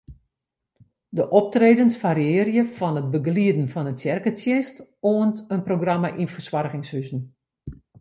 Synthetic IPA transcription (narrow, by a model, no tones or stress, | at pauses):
dəʔɔp̚treːdənsfaɾiɪːəɾjəfɔnət̚bəɡliədn̩fɔnətsjɛrkətʰjɛstoəntənproɡramaʔinfərswarɣɪŋshysn̩